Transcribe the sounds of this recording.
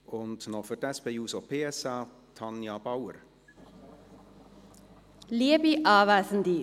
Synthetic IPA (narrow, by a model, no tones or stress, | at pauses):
ʊntnɔfydɛspejuːsopʰeːɛsɑː | tʰɑnjɑb̥awə̰r | liəbiʔɑːvaːsən̩d̪i